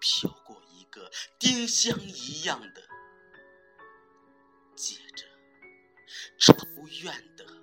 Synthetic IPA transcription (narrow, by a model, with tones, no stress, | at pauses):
pʰjɑ˥˧ʊkwɔ˥˩i˧˥ɡə˧t̪i˥ŋɕjɑ˥ŋi˧˥jɑ˥˩ŋd̪ə˩ | t͡ɕjɛ˨˩ʈ͡ʂə˦ | ʈ͡ʂʰo˧˥ʊɥɛ˥˩nd̪̥ə˩